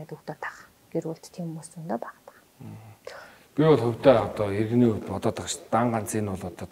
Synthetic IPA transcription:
t̪ukt̪ɔːt̪ʰḁχ | ɡ̥erwuɮt̪t̪ʰːiːmːusunt̪oːpaʁt̪ə̥χː | piwɔɮχɵw̥ʲt̪eːɔt̪ɔːerɣniːt̪pɔt̪ɔːt̪ə̆qt͡ɕt̪aɴɢan̥t͡siːnʊɮɔt̪ɔː

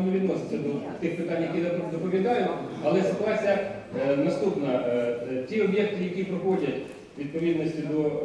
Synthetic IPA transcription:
nʊʋʲid̪nɔsɪ̥t͡s̪ʲɐd̪ɔt̪ɪxpɪt̪ɑnʲjɐkʲid̪ɐpd̪ɔpɔʋʲjɐd̪ɑjʊɐlˠɛsɐklˠɑsʲɐ | nɐst̪upnɐ | tʲiɔbjek̚t̪ɪjɐkʲipɾɐxɔdʲɐtʲ | ʋʲid̪̚pɔid̪nɔsʲtʲid̪ɔ

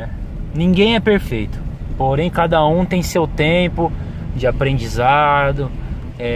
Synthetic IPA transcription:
ɛ | nĩŋɡẽj̃ɛpeɾfejt̪ʊ̥poɾẽj̃kad̪ɐũt̪ẽj̃sewt̪ẽpʊ | d͡ʒɪapɾẽnd͡ʒizad̪ʊ | ɛ

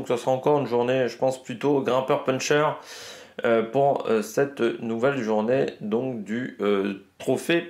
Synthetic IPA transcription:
ksəsəʁaɑ̃kɔʁynʒuʁneʒəpɑ̃splyt̪oɡʁɛ̃pœʁpɛnʃœʁ | øpuʁø̰sɛt̪nuvɛlʒuʁned̪ɔ̃kd̪yøt̪χɔfe

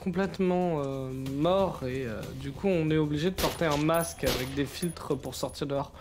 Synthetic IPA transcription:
kʰɔ̃plɛt̪mɑ̃ømɔʁeø̰d̪ykuɔ̃nɛobliʒed̪əpɔʁt̪eɛ̃maskavɛk̚d̪efilt̪χəpuʁsɔʁt̪iʁd̪ʁ

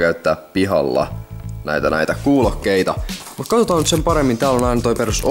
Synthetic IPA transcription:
kæyt̪ːæːppiɦɑ̰lːɑ̰næ̰it̪ænæ̰it̪ækuːlokːeit̪ɑmut̪kɑt̪ot̪ɑːnyt̪sempɑɾemːint̪æːlonɑinɑt̪oiperuso

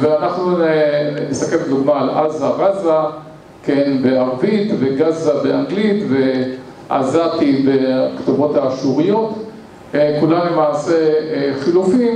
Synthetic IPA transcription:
veanaχnu | nist̪akembed̪uɡmaːlazaʁaza | kenbeaʁvit̪veɡazabeaŋɡlit̪ve̞ | ʔa̰zat̪ibekt̪uvo̞thaːʃuʁijo̞t̪ | kulamlemaːse̞eχilufim

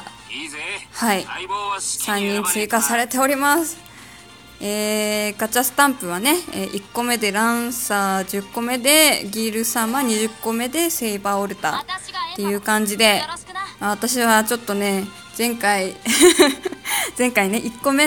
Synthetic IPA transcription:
hai | sãɲ̟ːĩnt͡sɨikasaɾe̞t̪e̞o̞ɾʲimasɨ̥ | eːɡat͡ɕasɨ̥t̪ãmpɯ̟β̞ane̞eʔikːo̞me̞d̪e̞ɾãsad͡ʑɨkːo̞me̞d̪e̞ɡʲiːɾɯ̟sãɰ̃βaɲ̟iʑɨkːo̞me̞d̪e̞se̞ibaoɾɯ̟t̪a̰t̪ːe̞jɯ̟ːkãɲ̟d͡ʑid̪e̞aβat̪aɕiβat͡ɕo̞t̪ːo̞ne̞ | z̥ẽ̞ŋkai | zẽ̞ŋkaine̞ʔikːo̞me̞

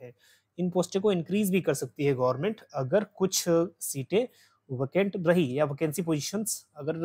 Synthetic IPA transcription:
ɛː | ɪnpoːsʈẽkoɪ̃nkɾiːzbʱikɐɾsɐk̚t̪iɦɛɡɐːʋəɾmẽɳʈɐɡəɾkʊt͡ʃʰsiːʈẽ | ʋekẽːɳʈɾɐɦijaʋɐkɛ̃ːnsipoːd͡ʒiːʃənsɐɡəɾ

